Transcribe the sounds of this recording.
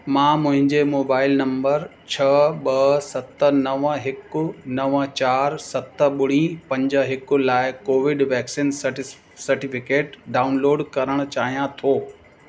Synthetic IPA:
mãːmʊ̃ɦɪ̃ɲd͡ʑemoːbaːɪlnɐ̃mbəɾ | t͡ɕʰɐɓɐsɐt̪ə̆nɐʋɦɪkʊ̆nɐʋət͡ɕaːɾsɐt̪ə̆ɓʊɽ̤̃ipɐ̃ɲd͡ʑəɦɪkʊ̆laːɪkoːʋɪɖʋɛːksiːn | sɐɾʈɪfɪkeːʈɖaːʊnloːɖkɐɾəɽ̃ʊ̆t͡ɕaːɦijãt̪ʰoː

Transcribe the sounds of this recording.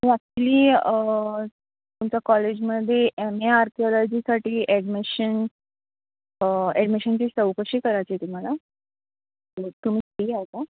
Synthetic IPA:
mĩat̪liː | t̪umt͡ɕakɔled͡ʑməd̪ʱːjeʔemeaɾkiolɔd͡ʑisaʈiːʔɛɽmiɕən | ɛɖmiɕənt͡ɕiːsəwkəɕiːkəɾajt͡ɕet̪um̤ala | t̪ət̪um̤iːiːat̪a

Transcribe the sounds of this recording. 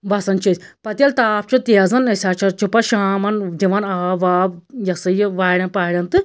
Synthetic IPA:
bɐsɐnt͡ʃʰisʲpɐt̪ʲɐlt̪aːp̚ʰt͡ʃʰut̪iɐzɐnɐsʲaːt͡ʃʰɐt͡ʃʰupɐʃaːmɐnd̪iʋɐnaːʋaːbjɐsɨjʋaːɽʲɐnpaːɽʲɐnt̪ɨ

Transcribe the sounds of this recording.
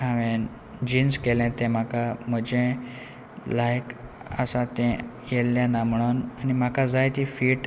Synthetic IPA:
ɦaʋẽ | d͡ʑinskelɛ̃t̪ɛ̃m̤akam̤əd͡ʑɛ̃ | lajk | ə̰sat̪ɛ̃ | jelːjãnːam̤əɭ̃onanim̤akad͡zajt̪ifiːʈ

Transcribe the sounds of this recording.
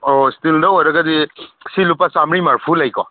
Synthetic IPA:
ostildɐojɾɐɡɐdisilupːasamɾimaɾpʰulajkɔ

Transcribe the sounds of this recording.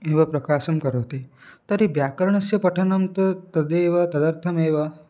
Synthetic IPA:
eːʋɐpɾɐkaːʃɐmkɐɾoːt̪et̪ɐɾibjaːkɐɾɐɳ̃ɐsjɐpɐʈʰɐnɐmt̪ɐt̪ɐd̪eːʋɐt̪ɐd̪ɐɾt̪ʰɐmeːʋɐ

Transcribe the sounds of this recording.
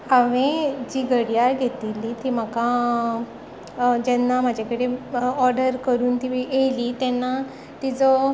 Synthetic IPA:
aʋẽd͡ʑiːɡəɽjaɾɡʱet̪ilːit̪iːm̤aka | d͡ʑɛnːam̤ad͡ʑʱakəɽeɔɾɖəɾkəɾuːnt̪iʋiejlit̪ɛnːa | t̪id͡zɔ

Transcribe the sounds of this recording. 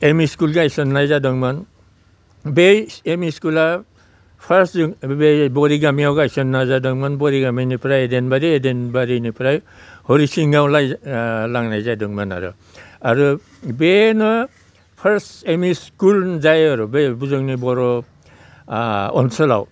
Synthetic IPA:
emiskulɡeajsɔnːajzadɔŋman | beemiskula | pʰaɾsuŋbebɔɾiɡamiawɡaajsɔnːajzadɔŋmanbɔɾiɡaminipʰɾajedenbaɾiedenbaɾinipʰɾaj | hoɾisiŋɡawlajlaŋnajzajdɔŋmana̰ɾṵ | aɾu | benɔ | pʰaɾsemiskulzajaɾubebuzɔŋnibɔɾɔ | ɔ̰nsela̰w

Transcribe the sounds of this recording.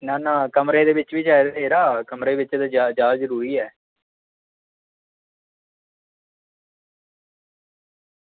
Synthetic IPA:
naːnãːkəmɾeːd̪eːʋɪt͡ʃʋiːd͡ʒaːed̪eːɾaːkəmɾeːʋɪt͡ʃed̪aːd͡ʒaːd͡ʒaːzəɾuːɾiːɛː

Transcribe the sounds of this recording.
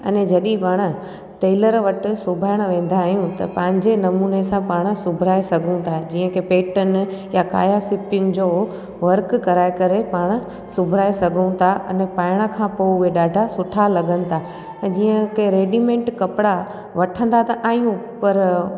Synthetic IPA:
ɐ̰ned͡ʑɐɗĩpaːɽ̃ə̆ | ʈeːləɾʋɐʈɪ̆sʊbʱaːɪɽ̃ʋẽːn̆d̪aːɦijũt̪ɐpɐ̃ɦɪ̃ɲd͡ʑenɐmuːnesãpaːɽ̃sʊbʱɾaːesɐɡʱũt̪ʰad͡ʑiːə̃kʰepeːʈənjaka̰ːjasɪpʊŋd͡ʑoː | ʋɐɾkkɐɾaːekɐɾepaːɽ̃̆ | sʊbʱɾaːesɐɡʱə̃t̪ʰaʔɐ̰nɛpaːɪɽ̃əkʰãpoʋeɗaːɖʱasʊʈʰalɐɡʱə̃nɪ̆t̪ʰã | d͡ʑiːə̃kʰeɾeːɖimẽːɳʈkɐpɪɽa | ʋɐʈʰə̃nd̪at̪ɐʔaːɦijũ | pɐɾ

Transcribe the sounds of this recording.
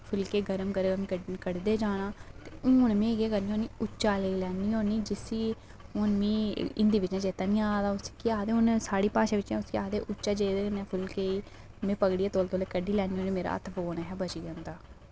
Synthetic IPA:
pʰʊlkeːɡəɾəmɡəɾmkəɽd̪eːd͡ʒaːnaːt̪eːʊnmẽːɡeːkəɾniːɦoːniːʊt͡ʃːt͡ʃʃaːleːlɛːniːoːniːd͡ʒɪsiː | ʊnmĩːɪnd̪iːʋɪt͡ʃãːd͡ʒeːt̪aːnĩːaːd̪aːʊskiaːd̪eːʊnsaːɽiːpaːʃeːʋɪt͡ʃãːʊskiaːd̪eːʔʊt͡ʃːt͡ʃːaːd͡ʒeːd̪eːənɛːpʰʊlkeːiː | mẽːpəɡɽijaːt̪oːlt̪oːleːkəɖiːlɛːniːõːniːmeːɾa̰ːə̰t̪ʰboːnɛɦɛːbət͡ʃiːd͡ʒand̪aː

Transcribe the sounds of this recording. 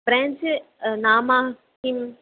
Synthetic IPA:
bɾɛ̃ːnd͡ʒnaːmã | im

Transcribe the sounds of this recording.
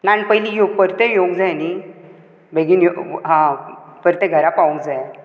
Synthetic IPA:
nanpəjlijoɡpəɾt̪ejoɡd͡zajni | bʱeɡiːnjoɦãpəɾt̪ɛ̃ɡʱəɾapaũɡd͡zaj

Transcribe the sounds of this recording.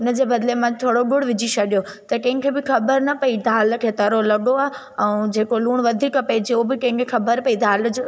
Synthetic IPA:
ʊnə̆d͡ʑeːbɐd̪lemãt̪ʰoːɽoɡʊɽ̤ʋɪd͡ʑit͡ɕʰɐɗijot̪ɐkɐ̃ɦɪ̃ŋkʰeːbɪxɐbəɾnɐpɐid̪ʱaːlkʰeːt̪ɐɾolɐɠoaːɦ | ɛ̃d͡ʑeːkoluːɽ̃ʋɐd̪ʱiːkɐpɛːd͡ʑeobɪkɐ̃ɦɪ̃kʰexɐbəɾpɐid̪ʱaːld͡ʑo

